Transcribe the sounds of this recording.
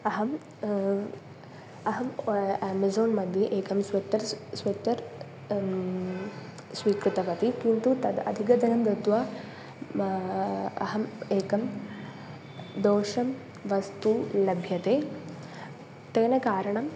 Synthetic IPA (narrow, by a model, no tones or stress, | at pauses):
ɐɦɐm | ɐɦɐmæːmɐzoːnmɐd̪ʱjɐʔeːkɐmsʋɐt̪ːɐɾsʋɐt̪ːɐɾ | sʋiːkɾit̪ɐʋɐt̪ikint̪ut̪ɐɐ̰d̪ʱikɐd̪ɐnɐmd̪ɐt̪ʋaː | ɐ̰ɦɐmeːkɐm | d̪oːʂɐm | ʋɐst̪ulɐbʱjɐt̪eː | t̪eːnɐkaːɾɐɳɐm